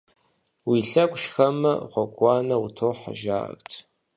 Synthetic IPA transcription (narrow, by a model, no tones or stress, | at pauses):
wiɬɐkʷʼʃxɐmɐ̰χʷɔɡʷʼɑːnɐutʰoːħa̰ʒa̰ːktʰ